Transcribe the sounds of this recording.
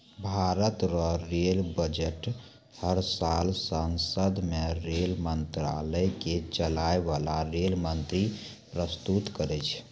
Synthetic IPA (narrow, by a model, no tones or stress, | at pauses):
bʱaɾət̪ɾɔɾelbəd͡ʒeʈ | həɾsalsənsəd̪meɾelmənt̪ɾaləjket͡ʃəlaebalaɾelmənt̪ɾi | pɾəst̪ut̪kəɾɛt͡ʃʰ